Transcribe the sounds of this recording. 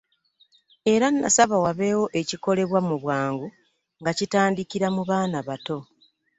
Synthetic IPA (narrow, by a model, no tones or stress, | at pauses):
e̞ɾanːa̰saβawaβe̞ːwo̞ʔeciko̞le̞βwamuβwaːŋɡu | ŋɡacitaːndikiɾamuβaːnaβato̞